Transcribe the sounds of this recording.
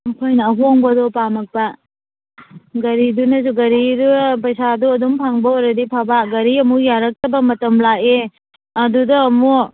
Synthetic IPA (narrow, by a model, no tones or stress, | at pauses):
ɐkʰojnɐːɦoŋbɐdɔpamɐk̚pɐ | ɡɐɾidunɐzuɡɐɾiɾupɐjsaduɐdumpʰaŋbɐoɾɐdipʰabaɡɐɾiɐmujaɾɐk̚tɐbɐmɐtɐmlake | ɐdudɐːmo